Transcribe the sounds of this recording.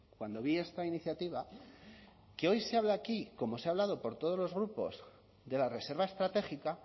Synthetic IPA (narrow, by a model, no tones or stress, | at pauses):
kwand̪o̞βie̞st̪ainiθjat̪iβ̞a | ke̞o̞jseaβlaːkiko̞mo̞seaβlaðo̞po̞ɾt̪o̞ð̞olo̞zɣɾupo̞̰z | d̪e̞lare̞se̞ɾβae̞st̪ɾat̪e̞xika